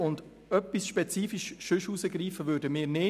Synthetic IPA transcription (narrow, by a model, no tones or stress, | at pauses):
ʊnd | œpːisʃpɛt͡siːfiʃʃʏʃusəɡɾiːfəʋøːɾdəmɪːɾnɪ